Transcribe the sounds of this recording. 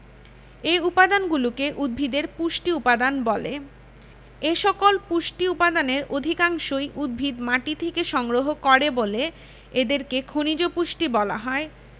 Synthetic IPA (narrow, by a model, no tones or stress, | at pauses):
eupad̪anɡulukeʔud̪̚bʱid̪eɾpuʃʈiupad̪anbɔle | eʃɔkolpuʃʈiupad̪aneɾod̪ʱikaŋʃojʔud̪̚bʱid̪maʈit̪ʰekeʃɔŋɡɾoɦokɔɾebole | ed̪eɾkekʰonid͡ʑopuʃʈibɔla̰ɦɔe